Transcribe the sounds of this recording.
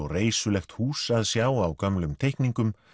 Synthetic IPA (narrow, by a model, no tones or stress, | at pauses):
ɔɣreːjsʏlɛxt̪huːsaðsjaːwawkamlʏmt̪ʰejkniŋkʏm